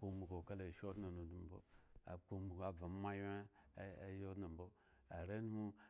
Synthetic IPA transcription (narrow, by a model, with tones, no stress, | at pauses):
k͡po˦mu˨ko˨ka˦le˨ʃo˦dno˨no˨du˨m˨bo̰˦a̰˨k͡po˨˦mu˨ka˨va˨˦ma˦je˦ | jo˦dna˨bo˦ | a˨ɾe˦n˦mu˦